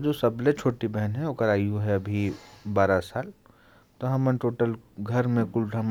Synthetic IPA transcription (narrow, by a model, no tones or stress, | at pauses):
d͡ʒoːsɐblet͡ʃʰoːʈibɛɦənɦɛ̃oːkəɾaːiuɦɛɐbʱibaːɾasaːl | t̪oɦɐmənʈoːʈəlɡʱɐɾmẽkʊlʈʰam